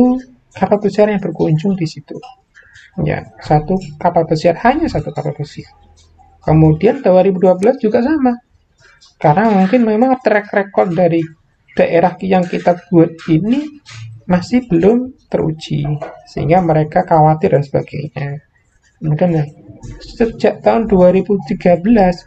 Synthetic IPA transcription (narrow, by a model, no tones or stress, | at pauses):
u | kapalpəsiarjaŋbərkuɲd͡ʒʊŋdisit̪u | ja̰sat̪ukapalpəsiarhaɲasat̪ukapalpəsiar | kəmudiant̪awaɾibuduabəlasd͡ʒuɡaʔs̬ama | karnamuŋkɪnmemaŋt̪əɾɛkrekɔrt̚daɾi | d̥aʔeɾahkjaŋkit̪ap̚ɡ̥uat̪̚inimasɪhb̥əlʊmt̪ərṵ̥d͡ʒḭsə̰ɦḭŋɡaməɾekakawat̪ɪrdansəba̰ɡ̥a̰iɲa | kəmudanasəd͡ʒaʔt̪aʊnduaɾibut̪iɡabəlas